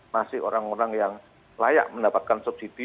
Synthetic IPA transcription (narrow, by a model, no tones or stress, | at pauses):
masɪho̰ɾaŋoɾaŋjaŋ | laja̰ʔməndapat̪̚kansup̚sid̪̥i